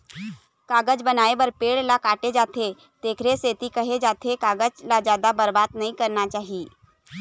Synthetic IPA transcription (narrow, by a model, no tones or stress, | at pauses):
kaːɡəd͡ʒbənaːebəɾpeːɽlakaːʈed͡ʒaːt̪ʰe | t̪eːkʰɾeseːt̪ikɐɦed͡ʒaːt̪ʰekaːɡəd͡ʒlad͡ʒjaːd̪abəɾbaːd̪nɐĩkɐɾnat͡ʃaːɦiː